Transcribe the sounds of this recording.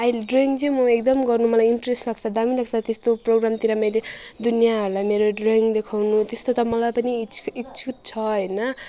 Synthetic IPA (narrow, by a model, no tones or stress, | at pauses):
ailɖroiŋɡd͡zimʌek̚d̪ʌmɡʌrnumʌlajiɳʈresʈlaɡt͡sʰʌd̪amilaɡ̚t͡sʰʌt̪est̪oproɡramt̪iɾamʌjled̪unijaɦʌɾulajmeɾoɖroiŋɡd̪ekʰawnut̪est̪ot̪ʌmʌlajpʌniikt͡sʰut̪̚t͡sʰʌɦʌjnʌ